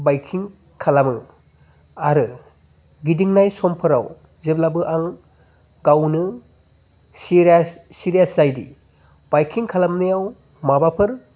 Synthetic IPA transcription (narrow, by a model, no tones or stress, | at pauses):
bajkʰiŋ | kʰalamɯ | aɾɯ | ɡidiŋnajsɔmpʰɯɾa̰w | zeblabɯʔaŋ | ɡawnɯ | siɾasiɾijaszajdḭ | b̥ajkʰiŋkʰalamnɯjaw | mabapʰɯɾ